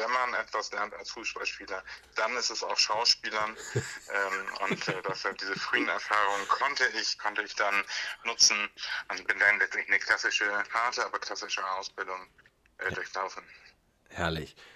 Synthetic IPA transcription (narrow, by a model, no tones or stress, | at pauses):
vɛnmanʔɛtv̥aslɛɐnta̰lsfuːsb̥alʃpiːlɐd̥anɪstɛsa̰ʊxʃaʊʃpiːlɐnʔɛːmʔʊ̰ntɛd̥ɛshap̚d̥iːzəfʁ̥yːənɛ̰ɐfaːʁʊŋkʰɔntəɪçkʰɔntəɪçd̥anːʊt͡sn̩ʔʊntb̥ɪndanlɛt͡stɛnɪçnəkʰl̥asɪʃəhaɐtəʔaːbɐkʰl̥asɪʃəaʊsb̥ɪldʊŋ | ʔɛːdʊɐçlaʊfn̩ | hɛɐlɪç